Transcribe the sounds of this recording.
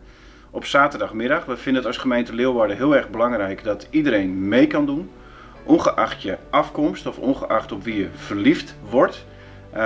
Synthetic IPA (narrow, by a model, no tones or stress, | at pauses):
ɔpsaːtərdaxmɪdaxʋəfɪndəətɑsχəmejntəlɪəʋaɹdəɦɪəɛrɣbəlaŋrɛjkdɔtʰidəɾejnmejkɑndun | ʔɔnχəʔaxtjəʔafkɔmstɔfɔ̰nχəʔaxtɔpʋijəfərliftʋɔɹt